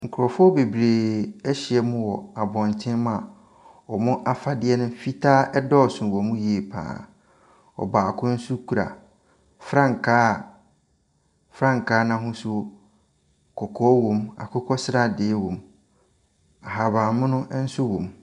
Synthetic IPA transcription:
ŋ̩˨kʰʊ˨ɾɔ˨fʊ˦ɔ˦be˨bɾeː˨ɛ˦ɕɪ˨ɛ˨mʊ̃˦wɔ˨a˨bɔ̃˨n˨tʰɪ̃˦m˦a˨ | ɔ˨mʊ̃˦ʔa˦fa˨dɪ˦ɛ˦nʊ̃˦fi˦tʰaː˦ɛ˦dɔ˦˨sʊ̃˨wɔ˨mʊ̃˦ji˨e˨pʰã̰ː˨ | ɔ̰˨ba˨a˨kʰʊ̃˦n̩˦su˦kʰu˨ɾa̰˨ | fɾã˦ŋ̩˨kʰaː˦˨ | fɾã˦ŋ̩˨kʰaː˦nã˦ɦʊ̃˦sʊ˦ | kʰɔ˨kʰɔː˦wõ˨ma̰˨kʰʊ˦kʰɔ˦sɪ˦ɾa˦dɪ˨˦wɔ̃˨m | a˨ɦa˨bãː˨mʊ̃˦nʊ̃˦n̩˦sʊ˦wõ˨m

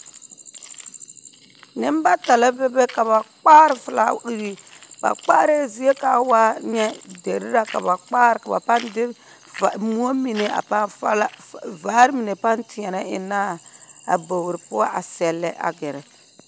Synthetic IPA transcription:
nɪ˦mba˦ta˨la˦bɛ˦bɛ˦ka˨βa˨k͡paː˦ɾɪ˨fɪ˨la̰˦i˦ɣi˦b̥a̰˨k͡paː˦ɾe˦˨zi˦e˦ka˨˦waː˦ɲɛ˦de˨ɾɪ˦ɾa˦ka̰˨βa˨k͡paː˦ɾɪ˨ka˨ba̰˨pa˦ndɪ˦˨ | mu˦o˦mi˨ne˨a̰˨pa˦vaː˦ɾɪ˦mi˨ne˨pa˦ntɪ˨ɛ˨na˦ɪ̰˨naː˦a̰˨bo˨wɾɪ˨pʊ˦a˦ʔa˨sɛ˨lːɛ̰˦ʔa̰˨ɡɪ˨ɾɛ˨

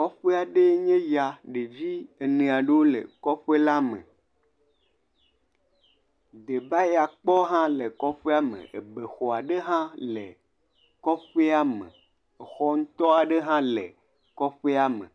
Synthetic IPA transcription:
kɔ˦ɸe˦a˨ɖe˦ɲẽ˦ja˨ɖe˨d͡ʑi˦e˨nẽ˨a˨ɖe˦wo˦lḛ˨kɔ˦ɸe˦la˦mḛ̃˨ | d̪e˨ba˦ja˨k͡pɔ˦ɦã˦le˨kɔ˦ɸe˦a˦mḛ̃˨ḛ˨be˨xɔ˨a˨ɖe˦ɦã˦lḛ˨ | kɔ˦ɸe˦a˦mḛ̃˨ | e˨xɔ˦ŋ̩˦t̪ɔ˦a˨ɖe˦ɦã˦lḛ˨ | kɔ˦ɸe˦a˦mḛ̃˨

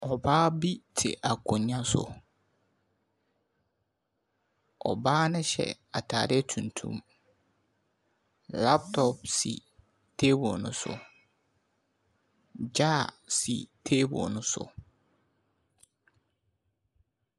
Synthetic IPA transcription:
ɔ˨baː˦bi˦tʰɪ̰˨ʔa˨kʰʊ̃˨ɲ˦ã˦sʊ̰˨ | ɔ˨baː˦nɪ̃˦ɕɛ̰˨ | a˨tʰaː˨ɾɪ˦ɛ˦tʰũ˨ntʰṵ̃˦m | la˦p̚tʰɔ˨p̚sḭ˨ | tʰe˦bɔ˨nʊ̰̃˦sʊ̰˨ | d͡ʑaː˦˨sḭ˨tʰeː˦bɔ̰˨nʊ̃˦sʊ̰˨

